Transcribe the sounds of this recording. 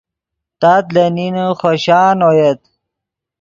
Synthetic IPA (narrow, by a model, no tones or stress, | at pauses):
t̪at̪ləninuχoɕaːnojet̪